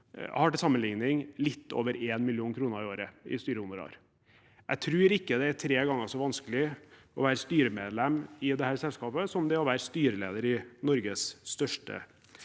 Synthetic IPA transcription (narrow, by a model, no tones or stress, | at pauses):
hɑʈːɪsɑmːənlɪŋnɪŋlɪt̪ːo̰ːʋəɾeːnmɪlɪuːnkʰɾuːnəɾɪoːɾəɪ̰st̪yːɾəʊnəɾɑ̰ːɾ | æ̰ɪt̪ʰɾʉːɾɪkːəd̪ɛæt̪ʰɾeːɡɑŋːəʂɔʋɑnskəlɪ | ɔʋæːɾəst̪yːɾəmeːd̪lɛmːɪd̪ɛhæːɾsɛlskɑːpəsɔmd̪ɛɔʋæːɾəst̪yːɾəlḛːd̪əɾɪnɔɾɡəsst̪œʂʈə̰